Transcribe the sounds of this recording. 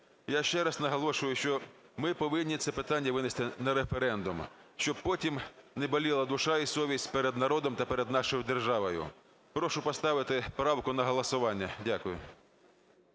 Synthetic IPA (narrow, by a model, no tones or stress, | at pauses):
jaʃt͡ʃɛɾɐznɐɦɔlˠɔʃʊjʊʃt͡ʃɔ | mɪpɔʋɪnʲːit̪sɛpɪt̪ɑnʲːɐʋɪnest̪ɪnɐɾefeɾɛnd̪ʊmʃt͡ʃɔb̚pɔtʲimnebɐlʲilˠɐd̪ʊʃɑisɔʋʲisʲtʲpeɾɛd̪nɐɾɔd̪ɔmt̪ɐpeɾed̪nɑʃɔjʊd̪erʒɑʋɔjʊ̰ | pɾɔʃʊpɔst̪ɑʋɪt̪ɪpɾɑwkʊnɐɦɔlˠɐsʊʋɑnʲːɐdʲakʊjʊ̰